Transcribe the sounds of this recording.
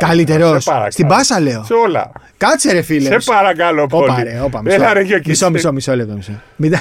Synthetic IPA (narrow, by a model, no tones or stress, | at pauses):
kɐlit̪eɾosst̪ibɐsɐle̞osolɐ̰ | kɐt͡seɾefilesespɐɾɐkɐlopooɐɾeopɐmieɐɾeçomisomisomisolet̪omiso | mid̪ɐ